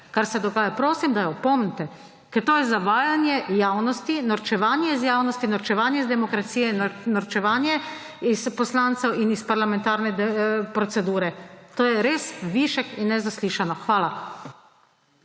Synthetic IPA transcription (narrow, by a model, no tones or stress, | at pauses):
kaɾsɛd̪ɔɡaːjapɾoːsimd̪ajaɔpɔmnɛt̪ɛ | kɛɾt̪oːjɛzaʋaːjanjɛjaːwnɔst̪inɔɾt͡ʃɛʋaːnjɛizjaːwnɔst̪inɔɾt͡ʃɛʋaːnjɛizd̪ɛmɔkɾat̪sijɛnnɔɾt͡ʃɛʋaːnjɛ | ispɔslant̪sɛwinispaɾlamɛ̃nt̪aːɾnɛd̪ɛpɾɔt̪sɛd̪uːɾɛt̪oːjɛɾeːsʋiʃɛkinːɛzasliːʃanɔxʋaːla